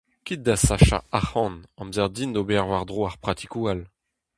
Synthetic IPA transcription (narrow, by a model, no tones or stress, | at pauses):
kʲit̪̚d̪asaʃa̰aχɑ̃nɑ̃mzɛʁd̪ind̪obɛʁwaʁd̪ʁoaʁpχat̪ʰikual